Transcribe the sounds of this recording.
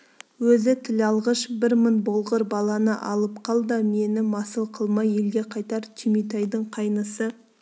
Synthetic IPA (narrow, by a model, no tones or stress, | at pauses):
wɵzɪt̪ʰɪlɑlˠʁəʃbɪɾmənbolˠʁəɾbɑlˠɑnəʔɑlˠəpqʰɑlˠd̪əme̞nɪmɑsəlˠqʰəlˠmɑje̞lɡʲe̞qʰɑjt̪ɑɾt̪ʲʰimijt̪̬ɑjd̪əɴqʰɑjnəsə